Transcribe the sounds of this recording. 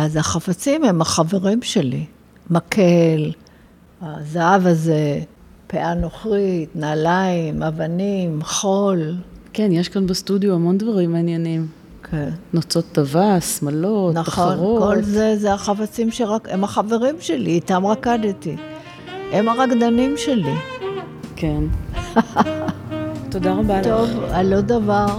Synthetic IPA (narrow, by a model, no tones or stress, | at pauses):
azaχafat͡simemaχave̞ʁimʃe̞lḭ | makʰel | azaavaze | peʔano̞χʁitnaːlaimavanimχo̞lkenjeʃkanbest̪udjoamo̞ndvaʁimːeanjenim | kʰennot͡sot̪ːavasmalotnaχonʁoko̞lzezeaχafat͡simʃeʁakemaχaveʁimʃeliːt̪amʁakad̪et̪i | ʔemaʁakd̪animʃe̞li | ken | t̪odaʁabatovalod̪avaʁ